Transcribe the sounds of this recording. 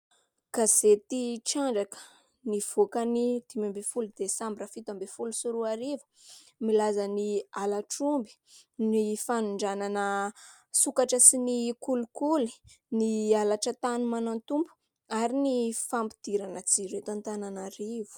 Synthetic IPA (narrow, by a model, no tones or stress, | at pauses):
ɡ̥azet̪iʈ͡ʂaɳɖ͡ʐakə̥ | niv̥okənid̪̥imambefulud̪̥esambiɾafit̪ambefulusuɾuaɾivu̥ | milazanialaʈ͡ʂumbi̥nifanuɳɖ͡ʐananə | sukaʈ͡ʂəsinikulukuli̥ | nialaʈ͡ʂət̪anumanant̪umbu̥ | aɾinifampi̥d̪̥iɾanət͡siɾet̪ant̪ananaɾivu̥